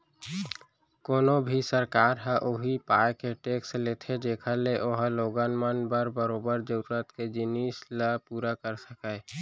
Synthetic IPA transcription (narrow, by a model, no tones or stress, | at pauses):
koːnobʱisəɾkaːɾɦə̃ʔoɦipaːekeʈeːkslet̪ʰed͡ʒeːkʰəleʔoːɦəloːɡənmənbəɾbəɾoːbəɾd͡ʒəɾuɾət̪ked͡ʒɪnisləpuːɾakəɾsəkəe